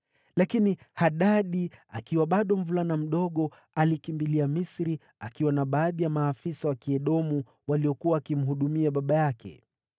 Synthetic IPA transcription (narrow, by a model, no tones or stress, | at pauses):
lakini | haɗaɗia̰kiwaɓaɗɔm̩vulanam̩ɗɔɠɔ | alikimbiliamisɾi | akiwanaɓaːðijamaːfisawakiɛɗɔmu | walijɔkuwaːkim̩ɦuɗumiaɓaɓajakʰɛ̰